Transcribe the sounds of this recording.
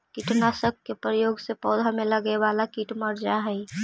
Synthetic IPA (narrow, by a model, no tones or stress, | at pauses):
kiʈnasək̚kepɾəjoɡsepɔːd̪ʱameləɡɛʋalakiʈməɾd͡ʒaɦɛj